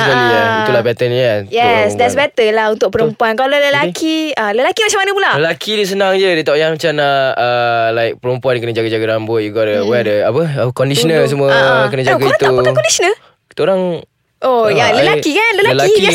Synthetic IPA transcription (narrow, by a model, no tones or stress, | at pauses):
aliaiulabɛt̪ənɛjɛsdɛtsbɛt̪əlahunt̪ʊk̚pəɾəmpuankaloləlakʰiələlakimat͡ʃamanəpulaəlakʰidəs̬ənaŋd͡ʒədət̪aʔjaŋmat͡ʃamaəlaɪk̚pəɾəmpuandikənəd͡ʒaɡad͡ʒaɡaɾambʊt̪̚juɡɔdəwɛdəapəəkɔndisɔnəls̬əmũəkənəd͡ʒaɡaiɾãt̪uaapəkakɔndisənəl | ki̥t̪oɾaŋ | ʔojaləlakikanləlaləlaki